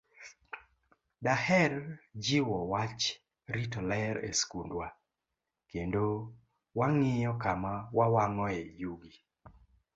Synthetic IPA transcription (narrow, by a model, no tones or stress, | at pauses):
dahɛrd͡ʒɪwɔwat͡ʃ | ɾitɔlɛɾḛskundwa | kendo | waŋɪjɔkamawawaŋɔɛjuɡi